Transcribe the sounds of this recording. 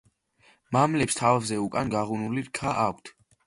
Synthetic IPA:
mamlɛpst̪ʰavɛvzɛukʼanɡaʁunuliɾkʰaʔakʷʰt̪ʰ

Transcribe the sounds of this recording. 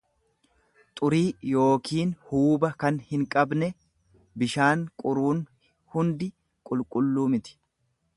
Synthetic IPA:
t̪ʼʊɾiːjo̞ːkiːnhuːbɐkɐnhɪŋkʼɐbnɛ | bɪʃaːŋkʼʊɾuːn | hʊnd̪ɪ | kʼʊlkʼʊlːuːmɪt̪ɪ̥

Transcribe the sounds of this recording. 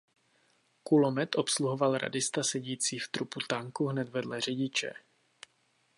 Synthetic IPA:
kulo̞mɛt̪ʔo̞psluɦo̞valɾa̰dɪst̪asɛɟiːt͡siːft̪ɾuput̪aŋkuɦnɛt̪vɛdlɛr̝ɛɟɪt͡ʃɛ̰

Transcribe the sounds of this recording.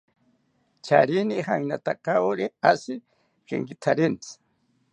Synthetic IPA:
t͡ʃa̰ɾɪnihaŋnat̪akawɾɪasɪ | kɪ̰ŋkɪt̪ʰaɾɪnt͡s

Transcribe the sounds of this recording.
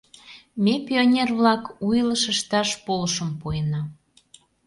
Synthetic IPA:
mʲepʲionʲerβlɑkujləʃəʃt̪ɑʃpoləʃəmpujenɑ

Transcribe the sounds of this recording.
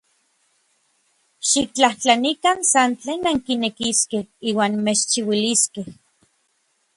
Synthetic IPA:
ʃik̚t͡ɬaht͡ɬanikansant͡ɬeːnːaŋkinekiskehiːwaːnmet͡ʃt͡ʃiwiliskeh

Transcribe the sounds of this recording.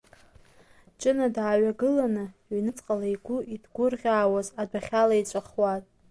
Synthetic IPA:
t͡ʃʼɨnadaːɥaɡɨlanɨɥnɨt͡sʼqʼalaiɡʷʊʔidɡʷʊrʁʲaːwazadaχʲalait͡ʃʷʼaχwatʼ

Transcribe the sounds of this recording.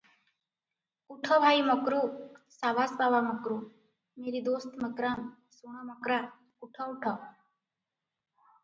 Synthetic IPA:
uʈʰəbʱaːiməkɾuːsaʋaːsbaːbaməkɾu | meːɾid̪oːst̪məkɾaːn | suɳ̃aməkɾaː | uʈʰəuʈʰə

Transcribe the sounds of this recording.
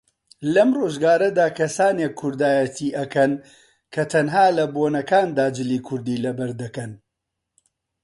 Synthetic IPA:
lɐmroːʒɡaːɾɐd̪aːkʰɐsaːnekʰːʊɾd̪aːjɐt̪ʰiːʔɐkɐn | kʰɐt̪ʰɐnɦaːlɐboːnɐkaːnd̪aːd͡ʒɨliːkʰʊɾd̪iːlɐbɐɾd̪ɐkɐn

